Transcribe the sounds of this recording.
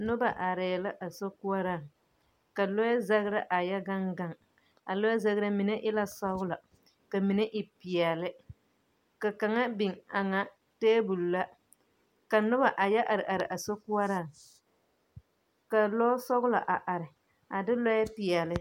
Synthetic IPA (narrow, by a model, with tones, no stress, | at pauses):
nʊ˦ba˨ʔa˨ɾɛ˨la˦ʔa˨so˦ku˦a˦ɾa˦˨ŋ | ka˨lɔ˦a˦za˦ɣɾa˦ʔa˨ja˦ɡa˦ŋɡa˦˨ŋ | a˨lɔ˦a˦za˦ɣɾa˦mi˨na˦ʔɪ˦la˦sa˦ɡʊ˦la˨ | ka˨mi˨nɛ˦ʔɪ˨pi˨ɛ˨lɪ˦ | ka˨ka˨ŋa˦bi˨ŋa˨ŋa˦ | teː˦bu˨lla˦ | ka˨nʊ˦ba˨ʔa˨ja˦ʔa˨ɾɪ˨ʔa˨ɾɪ˨ʔa˨so˦ku˦a˦ɾa˦˨ŋ | ka˨lɔ˦sɔ˦ɣʊ˦la˨ʔa˨ʔa˨ɾɪ˨ | a˨dɪ˦lɔ˦jɛ˦pi˨ɛ˨lɪ˦